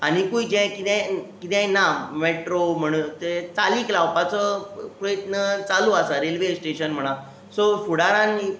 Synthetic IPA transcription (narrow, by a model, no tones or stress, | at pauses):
añikuid͡ʑɛ̃kit̪ɛ̃kit̪ɛ̃nameʈɾom̤əɽ̃ut̪et͡saliklawpat͡səpɾojət̪nət͡saluəsaɾelʋesʈeɕənm̤əɽ̃ã | sofuɽaɾãni